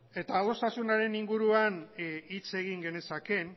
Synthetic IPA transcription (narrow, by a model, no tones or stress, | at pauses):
e̞t̪aːlo̞st̪asunaɾe̞niŋɡuɾuanit͡se̞ɣ̞iŋɡe̞ne̞sake̞n